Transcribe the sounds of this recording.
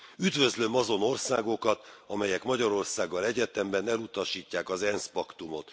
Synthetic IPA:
yd̪vø̞zlø̞mɒzo̞no̞rsaːɡo̞kɒt̪ɒmɛjɛkmɒɟɒɾo̞rsaːɡːɒlɛɟɛt̪ɛmbɛnɛlut̪ɒʃiːcːaːkɒzɛnspɒkt̪umo̞t̪

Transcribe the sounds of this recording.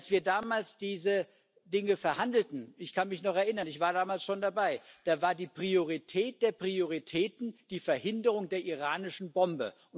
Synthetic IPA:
lsv̥iːɐdaːmaːlsd̥iːzə | dɪŋəfɛɐhandl̩tn̩ɪçkʰanmɪçnɔχɛɐʔɪnɐnɪçv̥aːɐdaːmaːlsʃoːndabaɪd̥aːvaːɐdiːpʁ̥ioʁ̞itʰɛːt̚d̥eːɐpʁ̥ioʁ̞itʰɛːtn̩d̥iːfɛɐhɪndəʁ̞ʊŋdeːɐʔiʁaːnɪʃn̩bɔmbə̰ʔʊn

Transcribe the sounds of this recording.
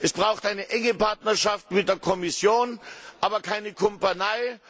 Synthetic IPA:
ʔɛsb̥ʁaʊxtʔaɪnəʔɛŋəpaɐtnɐʃaftmɪt̚d̥eːɐkʰɔmɪsjoːnʔaːbɐkʰaɪnəkʰɔmpanaɪ

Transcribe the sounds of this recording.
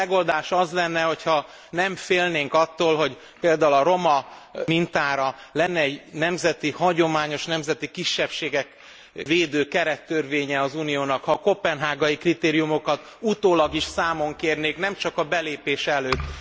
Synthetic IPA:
ɛɡo̞ld̪aːʃɒzlɛnːɛho̞chɒ | nɛmfeːlneːŋkɒt̪ːoːlɦo̞ɟ | peːld̪aːulɒɾo̞mɒmint̪aːɾɒlɛnːɛɛɟnɛmzɛt̪ihɒɟo̞maːɲo̞ʃnɛmzɛt̪ikiʃːɛpʃeːɡɛk | veːd̪øːkɛɾɛt̪ːørveːɲɛɒzunijoːnɒkhɒko̞pɛnɦaːɡɒjikrit̪eːɾijumo̞kɒt̪ | ut̪oːlɒɡiʃsaːmo̞ŋkeːrneːknɛmt͡ʃɒkɒbɛleːpeːʃɛløːt̪ː

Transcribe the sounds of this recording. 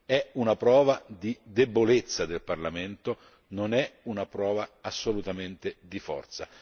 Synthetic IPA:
ɛunapɾɔːvad̪id̪ebolet̪sːad̪elparlament̪o | nonɛunapɾɔːvaːsːolut̪ament̪ed̪ifɔ̰rt̪sa̰

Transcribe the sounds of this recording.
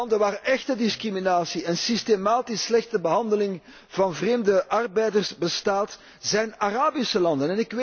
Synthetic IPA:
ndənʋaːrʔɛxtədɪskriminaːsiɛnsistemaːtɪslɛxtəbəɦɑndəlɪŋ | v̥ɑnvreːmdəʔɑrbɛjdərsbəstaːt | z̥ɛjnaraːbisəlɑndənɛnɪk

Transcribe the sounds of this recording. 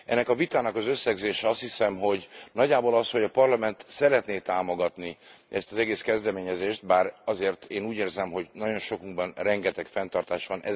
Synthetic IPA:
ʔɛnːɛkɒvit̪aːnɒkɒzøsːɛɡzeːʃɛɒst̪hisɛmɦo̞ɟnɒɟːaːbolɒsho̞ɟɒpɒrlɒmɛnt̪sɛɾɛt̪neːt̪aːmo̞ɡɒt̪niɛst̪ɒzɛɡeːskɛzd̪ɛmeːɲɛzeːʃt̪̚baːɾɒzeːrt̪eːnuːɟeːrzɛmɦo̞ɟnɒɟo̞nʃo̞kmulbɒnrɛŋɡɛt̪ɛkfɛnt̪ɒrt̪aːʃʋɒnʔɛ̰

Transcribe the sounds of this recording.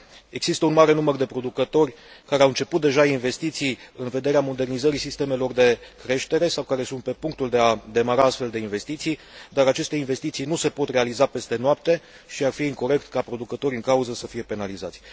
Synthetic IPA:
e̞ɡz̥ist̪əunmaɾe̞numərd̪e̞pɾo̞d̪ukət̪o̞rʲ | kaɾe̞aɨnt͡ʃe̞put̪̚d̪e̞ʒainve̞st̪it̪sijɨnve̞d̪e̞ɾeamo̞d̪e̞rnizəɾisist̪e̞me̞lo̞rd̪e̞kɾe̞ʃt̪e̞ɾe̞sawkaɾe̞sunt̪̚pe̞puŋk̚t̪uld̪e̞ad̪e̞maɾaast̪fe̞ld̪e̞inve̞st̪it̪sijd̪aɾat͡ʃe̞st̪e̞inve̞st̪it̪sijnuse̞po̞t̪re̞alizape̞st̪e̞noap̚t̪e̞ | ʃiarfiiŋko̞ɾe̞kt̪kapɾo̞d̪ukət̪o̞ɾʲɨŋkauzəsəfije̞pe̞nalizat̪sʲ

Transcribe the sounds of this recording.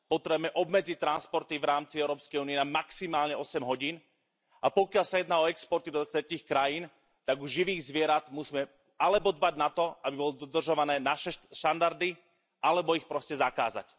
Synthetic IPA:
pɔt̪ɾɛbmɛʔɔbmɛd͡zic̚t̪ːɾanspɔɾt̪ivɾaːmt͡siɛʊɾɔːpskɛjuːniɛnamaksimaːlɲɛɔsɛmɦɔɟiːn | apɔkɪalsajɛd̪naːɔɛkspɔɾt̪id̪ɔt̪ɾɛciːxkɾajiːn | t̪aɡuʒʒːiʋiːɣzʋɪɛɾad̪musiːmɛ | alɛbɔd̪baɟnat̪ɔabibɔlɔd̪ɔd̪r̩ʒɔʋanɛːnaʃɛʃt̪and̪aɾd̪i | alɛbɔixpɾɔscɛzakaːza̰c

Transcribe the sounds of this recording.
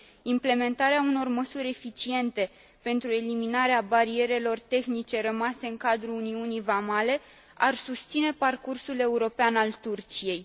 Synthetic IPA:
imple̞me̞nt̪aɾeauno̞rməsuɾʲe̞fit͡ʃie̞nt̪e̞ | pe̞nt̪ɾue̞liminaɾeabaɾie̞ɾe̞lo̞rt̪e̞xnit͡ʃe̞ɾəmase̞ɨŋkad̪ɾuːniunijvamale̞ | arsust̪sine̞parkursule̞uɾo̞peanalt̪urt͡ʃije̞j

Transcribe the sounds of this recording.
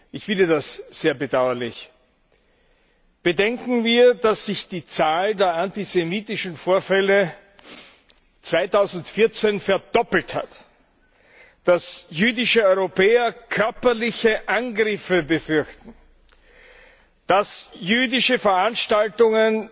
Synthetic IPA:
ʔɪçfɪndədasz̥eːɐbədaʊɐlɪ̰ç | b̥ədɛŋkŋ̩viːɐdasːɪçd̥iːt͡saːldeːɐʔantizemiːtɪʃn̩foːɐfɛlə | t͡sv̥aɪtaʊzn̩tfɪɐt͡senfɛɐdɔpl̩tha̰t | d̥asjyːdɪʃəɔʏʁopʰɛːɐkʰœɐpɐlɪçəʔanɡʁɪfəbəfʏɐçtn̩ | d̥asjyːdɪʃəfɛɐʔanʃtaltʊŋən

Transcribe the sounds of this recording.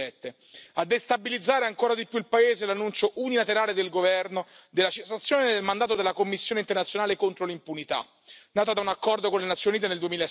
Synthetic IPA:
ɛt̪ːe | ad̪ːest̪abilid̪zːaːɾeaŋkoːɾad̪ipjuilpaeːzelanːunt͡ʃoʔunilat̪eɾaːled̪elɡovɛrnod̪elːat͡ʃesat̪sːjoːned̪elmand̪aːt̪od̪elːakomːisːjoːneint̪ernat̪sːjonaːlekont̪ɾolimpunit̪a̰ | naːt̪od̪aunakːɔrd̪okonlenat̪sːjonuniːt̪eneld̪uemila

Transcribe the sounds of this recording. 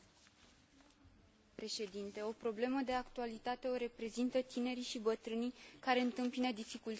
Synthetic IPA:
pɾe̞ʃe̞d̪int̪e̞o̞pɾo̞ble̞məd̪e̞akt̪ualit̪at̪e̞o̞ɾe̞pɾe̞zint̪ət̪ine̞ɾiʃibət̪ɾɨnijkaɾe̞ɨnt̪ɨmpinəd̪ifikul

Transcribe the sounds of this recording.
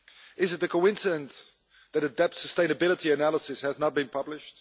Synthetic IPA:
ɪzɨt̪̚ðɨkʰoɪ̃nsɨdə̃n | ðɨɾɨdɛp̚tsəstẽɪnɨbɪlˠətʰiɨnælˠəsɨshɨznət̚b̥ɨ̃npʰʌblɪʃt̚

